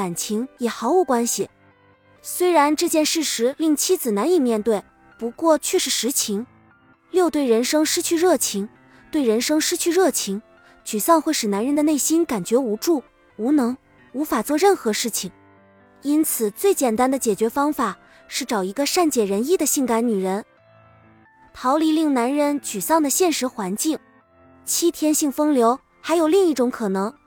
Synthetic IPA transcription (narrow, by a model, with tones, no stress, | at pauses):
a˨˩nt͡ɕʰi˧˥ŋjɛ˨˩xɑ˧˥ʊu˥˩kwa˥nɕi˨˩ | swe˥ɪɻa˧˥nʈ͡ʂɤ˥˧t͡ɕjɛ˥˧nʂɻ̩˥˩ʂɻ̩˧˥li˥˩ŋt͡ɕʰi˥t͡sɹ̩˨˩na˧˥ni˨˩mjɛ˥˧nt̪we˥˩ɪ | pu˧˥kwɔ˥˧t͡ɕʰɥɛ˥˧ʂɻ̩˥˩ʂɻ̩˧˥t͡ɕʰi˧˥ŋ | ljo˥˧ʊt̪we˥˩ɪɻə˧˥nʂɤ˥ŋʂɻ̩˥t͡ɕʰy˥˧ɻɤ˥˩t͡ɕʰi˧˥ŋ | t̪we˥˩ɪɻə˧˥nʂɤ˥ŋʂɻ̩˥t͡ɕʰy˥˧ɻɤ˥˩t͡ɕʰi˧˥ŋ | t͡ɕy˨˩sɑ˥˧ŋxwe˥˩ɪʂɻ̩˨˩na˧˥nɻə˧˥nd̪ə˧ne˥˩ɪɕi˥nka˨˩nt͡ɕɥɛ˧˥u˧˥ʈ͡ʂu˥˩ | u˧˥nɤ˧˥ŋ | u˧˥fa˨˩t͡swɔ˥˧ɻə˥˩nxɤ˧˥ʂɻ̩˥˩t͡ɕʰi˨˩ŋ | i˥nt͡sʰɹ̩˨˩t͡swe˥˩ɪt͡ɕjɛ˨˩nt̪a˥nd̪ə˨t͡ɕjɛ˨˩t͡ɕɥɛ˧˥fɑ˥ŋfa˨˩ | ʂɻ̩˥˩ʈ͡ʂɑ˨˩ʊi˧˥ɡə˧ʂa˥˩nt͡ɕjɛ˨˩ɻə˧˥ni˥˩d̪ə˩ɕi˥˩ŋka˧˥nny˨˩ɻə˧˥n | t̪ʰɑ˧˥ʊli˧˥li˥˩ŋna˧˥nɻə˧˥nt͡ɕy˨˩sɑ˥˩ŋd̪ə˩ɕjɛ˥˩nʂɻ̩˧˥xwa˧˥nt͡ɕi˥˩ŋ | t͡ɕʰi˥t̪ʰjɛ˥nɕi˥˩ŋfɤ˥ŋljo˧˥ʊ | xa˧˥ɪjo˨˩ʊli˥˧ŋi˥˩ʈ͡ʂʊ˧˥ŋkʰɤ˨˩nɤ˧˥ŋ